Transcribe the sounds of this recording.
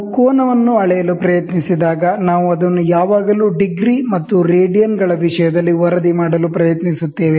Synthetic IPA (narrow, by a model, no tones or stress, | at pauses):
koːnɐʋɐnːuɐɭɛjɐlupɾɐjɐt̪nisid̪aːɡɐnaːʋuɐd̪ɐnːujaːʋaːɡɐluːɖiɡɾimɐt̪ːuɾeːɖijɐnɡɐɭɐʋiʂɐjɐd̪ɐlːiʋɔɾɐd̪imaːɽɐlupɾɐjɐt̪nisut̪ːeːʋe